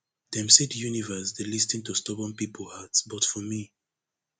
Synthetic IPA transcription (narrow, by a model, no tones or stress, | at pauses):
d̥ɛ̃msitjunivəsdelistĩŋtustɔpɔ̃npipʰolhatsbɔtfɔmi